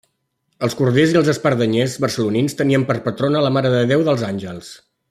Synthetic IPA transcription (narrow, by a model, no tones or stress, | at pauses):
əlˠskuɾðeziəlˠzəspəɾðəɲezβərsəluninst̪əniəmpəɾpət̪ɾonələmaɾəðəðewðəlˠzanʲʒəlˠs